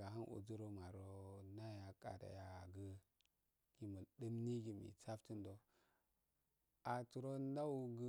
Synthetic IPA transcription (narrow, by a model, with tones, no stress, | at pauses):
a˨ɦa˦nʔṵ˨d͡zu˦ɾo˦ma˨ɾo˦na˦ja˨kʼa̰˨ɾa̰˨ja˨ɡə˦ | ɡ̥i˨mu˨də˦mni˦ɡi˨mḭ˨t͡sa˦fti˦ndo˨ | a˨tu˨ɾo˦nda˦u˦ɡə˦